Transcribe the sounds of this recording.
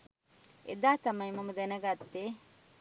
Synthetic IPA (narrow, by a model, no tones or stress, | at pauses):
ḛd̪aːt̪ɐmɐjimɐmɐd̪enɐɡɐt̪ːe